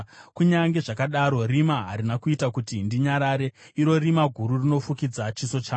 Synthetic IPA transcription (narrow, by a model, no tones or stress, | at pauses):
kuɲaŋɡe̞ʐakaɗaɾo̞rimaɦaɾinakuitakutindiɲaɾaɾe̞ | iɾo̞rimaɡʱuɾurino̞fukid͡zat͡ʃiso̞t͡ʃaː